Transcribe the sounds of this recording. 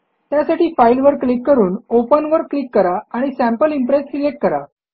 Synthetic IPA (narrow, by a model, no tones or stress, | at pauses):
t̪jasaʈiːfailʋəɾklikːəɾuːnopənʋəɾklikːəɾaaɽ̃isæ̃mpəlimpɾesɾileʈ̚kəɾa̰